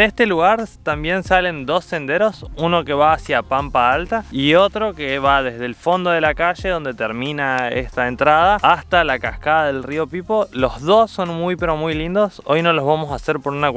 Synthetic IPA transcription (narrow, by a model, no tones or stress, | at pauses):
est̪eluɣaɾt̪ambje̞nsale̞nd̪o̞sːe̞nd̪eɾo̞suno̞ke̞βaːsjapampaalt̪aio̞t̪ɾo̞keβaðezð̞elfo̞nd̪o̞ðe̞lakaʒe̞ðo̞nd̪e̞t̪eɾmĩnaḛst̪aent̪ɾað̞aːst̪alakaskaðaðelrio̞pipo̞lo̞zðo̞sːo̞nmujpe̞ɾo̞mujlind̪o̞so̞jno̞lozβamo̞sase̞ɾpo̞ɾuna